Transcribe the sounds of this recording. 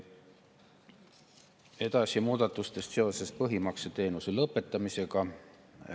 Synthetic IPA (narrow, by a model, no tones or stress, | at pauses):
e̞d̪̥ɑsʲimuːd̪̥ɑt̪ːˑust̪e̞st̪se̞o̞se̞spɤɦimɑkset̪e̞ːnuse̞lɤpːˑe̞t̪ˑːɑmise̞ɡ̥ɑ